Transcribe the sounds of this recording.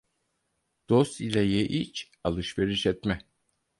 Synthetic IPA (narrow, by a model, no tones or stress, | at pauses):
d̪̥ost̪ilʲɛjeʔit͡ʃ | alˠɯʃveɾiʃɛt̪mɛ